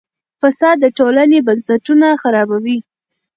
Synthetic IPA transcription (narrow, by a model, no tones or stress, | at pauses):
fasɑd̪ːəʈolanebansaʈunaxaɾɑbawi